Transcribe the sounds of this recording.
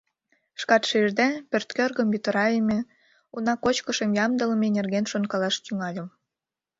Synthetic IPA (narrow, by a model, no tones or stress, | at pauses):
ʃkɑt̪ʃeʒd̪epørt̪kørɣə̆mjyt̪əɾɑemʲe | unɑkot͡ɕkəʃəmjɑmd̪ə̆ləmenerɣenʃonkɑlɑʃt̪yŋɑlʲə̆m